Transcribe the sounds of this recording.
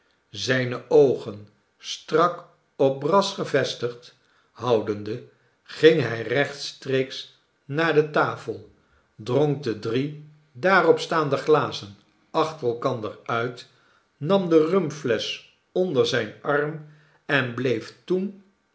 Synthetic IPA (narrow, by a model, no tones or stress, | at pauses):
zɛjnəʔowχən | strɑk | ɔp̚brɑsχəvɛstəχt | ɦɑwdəndə | χɪŋɦɛjrɛχtstrejks | naːɹdətaːfəlˠ | droŋk̚dədri | daːrɔpstaːndəχlaːzən | ɑχtərɛlˠkɑndəɹœɥt | nɑmdərɵmpflɛs | ɔndəɹzɛjnɑrm | ɛnblejftun